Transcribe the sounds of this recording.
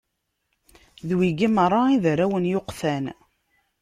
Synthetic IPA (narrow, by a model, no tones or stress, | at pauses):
ðwiɡiməɾˤːɑiðɾæwənjoqθæn